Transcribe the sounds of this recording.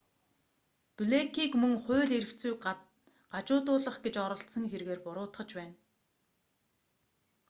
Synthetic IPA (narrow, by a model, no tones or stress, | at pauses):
puɮekʰiːkmɵŋχʊ̟ːɮiɾɘ̆kt͡suːk̚ɢat̪̚ | ɢat͡ɕʊːt̪̬ʊːɮə̆χɡet͡ɕɔɾɞ̆ɬt̪sə̆ŋxerɣeːrpʊɾʊːt̪χə̆t͡ɕpæːn